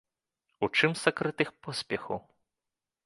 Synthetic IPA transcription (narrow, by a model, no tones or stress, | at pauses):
ut͡ʂɨmsakɾɨt̪ɨxpɔsʲpʲɛxɐw